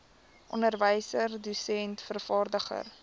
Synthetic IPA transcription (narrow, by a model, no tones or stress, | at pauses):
ʔɔ̰nərvəjsərdusɛntfərfɑːrdəχə̰r